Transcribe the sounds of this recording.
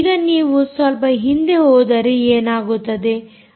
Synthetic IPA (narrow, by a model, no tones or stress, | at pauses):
ɡɐniːʋusʋɐlpɐɦind̪e̞ɦɔːd̪ɐɾeeːnaːɡut̪ːɐd̪e̞